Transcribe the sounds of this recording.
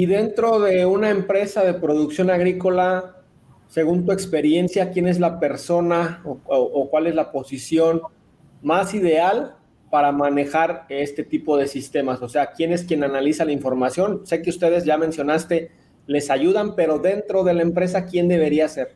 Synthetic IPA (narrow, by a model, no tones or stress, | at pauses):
iðe̞nt̪ɾo̞ðe̞unaempɾe̞saðe̞pɾo̞ðuksjo̞naɣɾiko̞la | se̞ɣunt̪ue̞kspe̞ɾje̞nsjakje̞ne̞zlape̞ɾso̞naoʔːkwale̞zlapo̞sisjo̞n | masiðe̞al | paɾamãne̞xaɾe̞st̪e̞t̪ipo̞ð̞e̞sist̪e̞maso̞se̞akje̞ne̞skjenanalisalaiɱfo̞ɾmasjo̞nse̞keust̪e̞ð̞e̞zʝamẽ̞nsjo̞nast̪e̞ | le̞saʝuð̞ampe̞ɾo̞ðe̞nt̪ɾo̞ðe̞laempɾe̞s̬akje̞nd̪e̞β̞e̞ɾiase̞ɾ